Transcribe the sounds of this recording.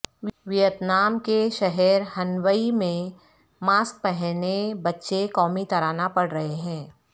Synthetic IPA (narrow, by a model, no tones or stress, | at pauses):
ʋɪjət̪naːmkeʃɐɦɛɾɦɐnʋəimẽ | maːsk̚pɛɦnebɐtːʃekɔːmit̪ɐɾaːnapɐɽɾɐɦeɦɛ̃ː